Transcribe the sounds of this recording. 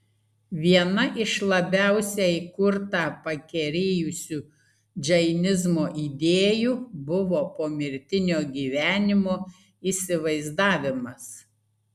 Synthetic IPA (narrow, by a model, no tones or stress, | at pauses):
ʋʲiɛnɐʔɪʃlˠɐbʲæˑʊsʲɛɪkʊɾt̪ɑːpɐkʲɛɾʲeːjʊsʲuː | d͡ʒʲɛɪnʲɪzmoːʔiːd̪ʲeːjuːbʊʋoːpoːmʲɪɾʲt̪ʲɪnʲoːɡʲiːʋʲæːnʲɪmoː | iːsʲɪʋɐɪzd̪ɑːʋʲɪmɐs